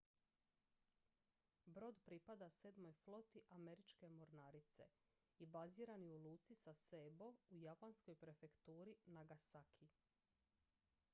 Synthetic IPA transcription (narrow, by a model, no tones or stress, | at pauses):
bɾo̞ːd̪pɾipad̪ased̪mo̞jflˠo̞t̪iʔameɾit͡ʃke̞moɾnaɾit̪se̞̰ | ibaziːɾaniulˠuːt̪sisasebo̞ujapansko̞jpɾe̞fe̞kt̪uːɾinaɡasakʰi